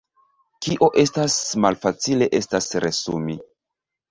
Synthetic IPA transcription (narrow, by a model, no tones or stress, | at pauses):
kiʔo̞ʔe̞stasmalfat͡sile̞ʔe̞stasɾesṵmi